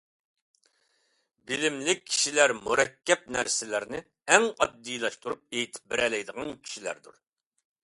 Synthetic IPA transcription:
bilɪmlɪkʲʰːi̥ʃilæɾmuɾɛkʲʰːɛp̚næɾsɪlɪɾnɪ | ɛŋɑ̰d̪ːijlˠɑʃt̪uɾup̚eːt̪ʰɪ̥p̚bɪɾɛlɛjd̪əʁɑnkʲʰi̥ʃilæ̰ɾd̪ṵɾ

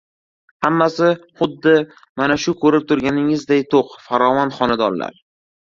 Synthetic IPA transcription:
hamːasɪχʊd̪ːɪ | manaʃʊkʰɵɾɪp̚t̪ʰʊɾɡʲanɪŋɪzd̪ajt̪ʰoqfaɾɒvanχɒnad̪ɒnla̰ɾ

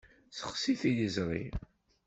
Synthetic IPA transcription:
sə̥χsiθijəzɾˤḭ

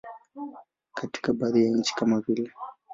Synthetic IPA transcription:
kʰati̥kabaðijaɲ̩t͡ʃi̥kamavilɛ

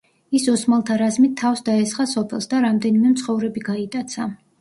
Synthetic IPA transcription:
isɔsmalˠt̪ʰaɾazmit̪ʰːafsd̪aɛsχasɔpʰɛlˠsd̪aɾamd̪ɛnimɛmt̪sʰχɔvɾɛbiɡait̪ʼat̪sʰa

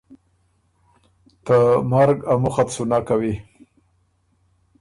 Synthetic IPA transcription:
t̪əmaɾɡamʊxap̪sunakawi

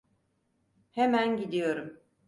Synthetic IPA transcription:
hemænɟid̪ijo̞ɾum

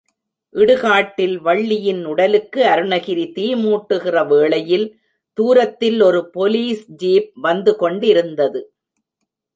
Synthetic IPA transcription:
ʔɪɽɯɣaːʈːɪlʋɐɭːɪjɪnʊɽɐlɯkːɯɐɾɯnɐɣɪɾit̪iːmuːʈːɯɣɪrɐʋeːɭɐjɪl | t̪uːɾɐt̪ːɪlɔɾɯpɔliːsd͡ʒiːp̚ʋɐnd̪ɯkɔɳɖɪɾɯnd̪ɐðɯ

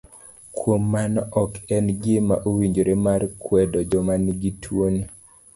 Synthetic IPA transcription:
kwomːanʔɔkɛnɡɪma̰ʔowiɲd͡ʒoɾemarkwɛdɔd͡ʒɔmanɡitʰwoni

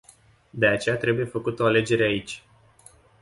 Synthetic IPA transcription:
d̪e̞at͡ʃe̞jat̪ɾe̞buje̞fəkut̪əoale̞d͡ʒe̞ɾeait͡ʃʲ

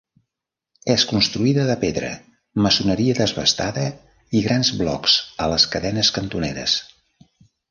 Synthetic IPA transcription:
ɛskunst̪ɾuiðəðəpeðɾə̰ | məsunəɾiəðəzβə̰st̪aðə | iɣɾanzβlɔ̰ksələskəðɛnəskənt̪uneɾə̰s

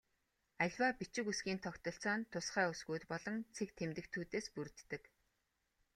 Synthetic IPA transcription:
aɮʲwaːpit͡ɕɪ̆kusɡiːnt̪ʰɔkt̪ɞ̆ɬt͡sɔːnt̪ʰːʊsχæːusɡuːt̪pɔɮɞ̆ŋt͡sʰek̚t̪ʰemt̪ɘ̆kt̪ʰuːt̪eːspur̆t̪ːɘ̆k

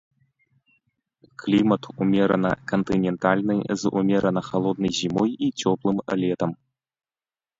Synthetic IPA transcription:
klʲimɐt̪umʲɛɾɐ̰nɐ̰kɐnt̪ɨnʲɛnt̪alʲnɨjzṵmʲɛɾɐnɐxalˠɔd̪̚nɐjzʲimɔjit͡sʲɔplˠɨmlʲɛt̪ɐm

